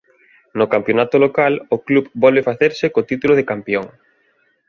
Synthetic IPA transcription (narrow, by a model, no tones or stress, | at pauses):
nokampjonat̪olokaloklupbɔlβefaθeɾsɪkot̪it̪uloð̞ekampjoŋ